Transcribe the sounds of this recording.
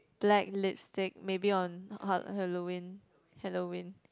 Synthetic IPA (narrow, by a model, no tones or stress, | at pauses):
b̥lɛk̚lɪtpstek̚mebiɔ̃nhɔ̰thɛlowĩn | hɛlowĩn